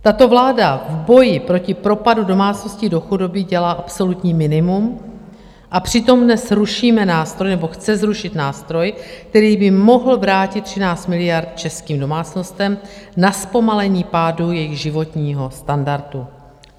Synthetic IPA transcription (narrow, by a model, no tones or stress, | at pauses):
t̪at̪o̞vlaːdavbo̞jɪpɾo̞cɪpɾo̞padudo̞maːt͡sno̞scɪdo̞xudo̞bɪɟɛlaːʔapso̞lut̪ɲiːmɪnɪmum | ʔapr̝̥ɪt̪o̞mdnɛsɾuʃiːmɛnaːst̪ɾo̞jnɛbo̞xt͡sɛzɾuʃɪt̪naːst̪ɾo̞jk̚t̪ɛɾiːbɪmo̞ɦl̩vɾaːcɪt̪ːr̝̥ɪnaːt͡st̪mɪlɪjaɾt̪t͡ʃɛskiːmdo̞maːt͡sno̞st̪ɛmnaspo̞malɛɲiːpaːdujɛjɪɣʒɪvo̞t̪ɲiːɦo̞st̪andaɾt̪u